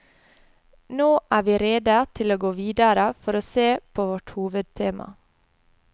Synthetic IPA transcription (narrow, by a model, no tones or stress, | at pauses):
noːʔæːʋiːɾeːd̪ət̪ʰɪloːɡoːʋiːd̪əɾəfɔɾoːseːpʰoːʋɔʈhuːʋəd̪̚t̪ʰeːmʔɑ̰